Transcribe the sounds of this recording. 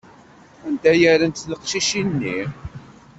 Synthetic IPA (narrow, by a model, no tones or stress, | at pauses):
ænd̪æjəɾənt̪ləqʃiʃinːi